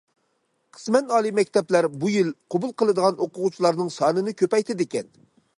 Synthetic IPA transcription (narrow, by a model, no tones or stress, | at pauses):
qʰə̥smɛnɑːlˠimɛkʲt̪ʰɛplæɾbujilqʰobulˠqʰəlˠɨd̪əʁɑnʔoqʊʁut͡ʃʰilˠɑɾnɨŋsɑːnɨnɨkʲʰøpɛjt̪ʰɪd̪ɪkʲɛn